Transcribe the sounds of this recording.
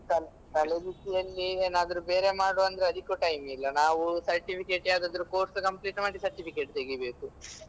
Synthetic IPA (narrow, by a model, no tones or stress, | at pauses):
kɐl | k̪ɐɭed̪isijɐlːieːnaːd̪ɐɾube̞ːɾe̞maːɽoːɐnd̪ɐɾeɐd̪ʱikuːʈɐjmilːɐnaːʋusɐɾʈipʰikeːʈaːd̪aːd̪ɐɾuko̞ːɾskɐmpliːʈmaːɖisɐɾʈipʰikeʈt̪eɡibe̞ːku